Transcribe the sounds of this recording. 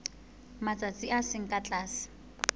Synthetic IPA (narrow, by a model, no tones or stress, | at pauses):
mat͡sʼat͡sʼiʔasɪŋ̩kʼat͡ɬʼaːsɪ̥